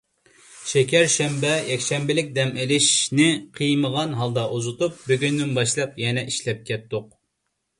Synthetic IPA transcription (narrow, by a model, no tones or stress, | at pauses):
ʃɛkʲɛɾʃɛmbɛjɛkʲʃɛmbɪlɪk̚ʲd̪ɛmelɪʃnɪqʰɨjməʁɑnɦɑlˠd̪ɑʔuzut̪up̚byɡʲynːynbɑʃlˠɑpjɛnɛʔiʃlɛp̚kʲʰɛt̚t̪ːoq̚